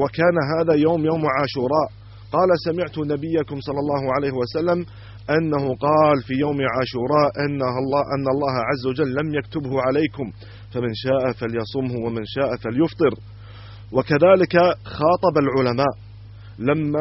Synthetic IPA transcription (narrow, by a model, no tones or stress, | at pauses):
wakaːnaɦaːðaːjawːmjawmʕaːʃuːɾˤɑːʔ | qɑːlasamɪʕt̪ʊnabɪjːakʊmsˤɑlːɑlˤːɑːɦʊʕalaːhɪwasalːam | ʔanːahʊqɑːlfiːjawmʕaːʃuːɾˤɑːʔʔɪnːaɑʔanːaɑlˤːɑːhaʕazːawad͡ʒalːamjakt̪ʊbhʊʕalajkʊm | famɪnʃaːʔafaljɑsˤʊmhʊwamɪnʃaːʔafaljʊft̪ˤɨɾ | wakaðaːlɪkaxɑːt̪ˤɑbalʕʊlamaːʔ | lamːa